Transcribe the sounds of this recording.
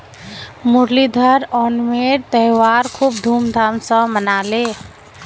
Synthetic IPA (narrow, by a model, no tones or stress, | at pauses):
muɾlid̪ʱəɾɔːnmeɾt̪əɦwaɾkʰub̚d̪ʱuːmd̪ʱaːmsə̃mənale